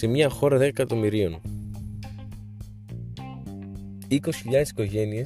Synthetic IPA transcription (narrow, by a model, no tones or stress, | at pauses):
se̞mɲɐxo̞ɾɐðekɐt̪o̞miɾio̞n | iko̞sçiʎɐðesi̥ko̞ʝe̞nie